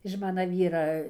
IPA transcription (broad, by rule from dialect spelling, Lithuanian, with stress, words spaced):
ɪʃ ˈmɑːnɐ ˈʋʲiːrɐ